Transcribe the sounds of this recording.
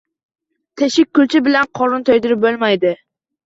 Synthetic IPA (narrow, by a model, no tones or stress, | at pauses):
t̪ʰeʃɪk̚ʲkːʊlt͡ʃʰɪbɪlanqʰɒɾʊnt̪ʰojd̪ɪɾɪp̚bolˠmajd̪ɪ